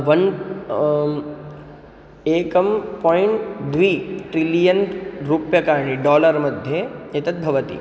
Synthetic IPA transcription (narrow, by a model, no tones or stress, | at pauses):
ʋɐn | eːkɐmpɔːiɳʈd̪ʋiːʈɾilijənɾupjɐkaːɾɳ̃iɖɔːləɾmɐd̪ʱjeet̪ɐt̪̚bʱɐʋət̪ḭ